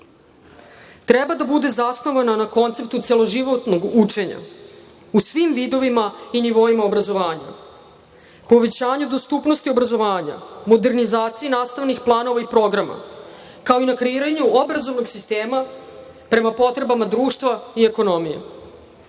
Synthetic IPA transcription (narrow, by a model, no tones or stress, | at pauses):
t̪ɾɛbad̪abud̪e̞zasno̞ʋananako̞nt̪se̞p̚t̪ut̪se̞lˠo̞ʒiʋo̞t̪no̞ɡut͡ʂe̞ɲa̰ | usʋimʋid̪o̞ʋimainiʋo̞imaobɾazo̞ʋaːɲa̰ | po̞ʋe̞t͡ɕaːɲud̪o̞st̪upnost̪io̞bɾazo̞ʋaːɲa̰mo̞d̪e̞ɾnizaːt̪sijinaːst̪aʋnixplˠaːno̞ʋaipɾo̞ɡɾama̰ | kao̞inakɾeiːɾaɲuobɾazo̞vno̞ɡsist̪eːma | pɾe̞mapo̞t̪ɾe̞bamad̪ɾuːʃt̪ʋaie̞ko̞no̞mijḛ